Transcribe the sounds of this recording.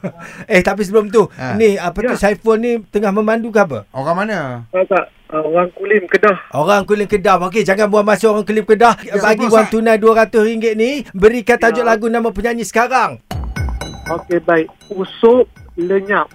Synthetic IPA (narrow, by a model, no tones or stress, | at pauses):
əht̪ap̬is̬əbəlʊmt̪̬uniapət̪usaifonnit̪əŋahməmandukapə̰oɾaŋmanakakaʔ | oɾaŋkulɪmkədahoɾaŋkulɪmkədapok̬ed͡ʒaŋanbuanmasooɾaŋkulɪmkədahbaɡiwant̪unajduaɾat̪ʊsriŋɡɪt̪̚nibəɾikat̪ad͡ʒʊʔlaɡunamap̬əɲaɲisə̥kaɾaŋ | okebaɪ | usʊp̚ləɲap̚